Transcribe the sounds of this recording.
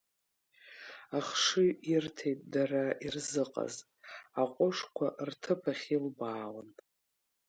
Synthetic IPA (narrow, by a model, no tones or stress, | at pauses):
aχʂɨirtʰejtʼdarairzɨqʼa̰z | aqʷʼʊʂkʷʰaʔrtʰɨpʰaχʲilbaːwən